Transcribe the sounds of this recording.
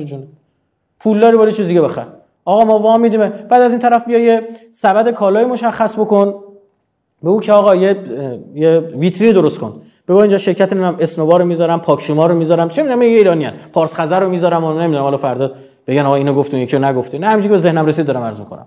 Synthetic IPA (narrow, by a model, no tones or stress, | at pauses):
d͡ʒuni | pʰuld̪ɒːɾibɒɾjet͡ʃʰizd̪iɟebexæɾ | ɒːɣɒːmɒːvɒmiːd̪iːmeb̥æːd̪æzint̪ʰæɾæfbijɒje | sæbæd̪e̞kʰɒːlɒːjimo̞ʃæxːæsbo̞kon | beuːcʰeɒːɣɒːjejevit̪ʰɾiːniːd̪o̞ɾost̪kʰon | b̥ebɒːiːnd͡ʒɒʃe̞ɾcʰæt̪ʰeneuæme̞snovɒːɾomizɒːɾæmpʰɒːkʰʃumɒːɾomiːzɒːɾæmt͡ʃʰemid̪unæminjeiːɾɒːniæ̰npʰɒːɾsχæzæɾːomiːzɒɾæmonemid̪unæmhɒlfæɾd̪ɒːd̪ | b̥eɡænɒːɣɒiːnɒɡoft̪ijecʰijonæɡoft̪inæhæmit͡ʃʰikʰebeze̞hnæmɾesid̪d̪ɒːɾæmæɾzmikʰonæ̰m